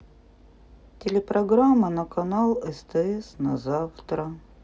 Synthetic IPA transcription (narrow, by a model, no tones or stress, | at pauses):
tʲɪlʲɪpɾɐɡɾamːənɐkɐnalˠɛst̪ɛɛsnɐzaft̪ɾə